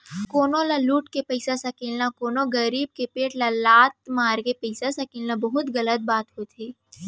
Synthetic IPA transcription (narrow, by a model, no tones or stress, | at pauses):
koːnõlaluːʈkepɐɪsasakeːlnakoːnõɡɐɾiːb̚kepeːʈlalaːt̪̚maːɾkepɐɪsasakeːlnabɐɦʊt̪ɣɐlət̪̚baːt̪ɦot̪ʰeː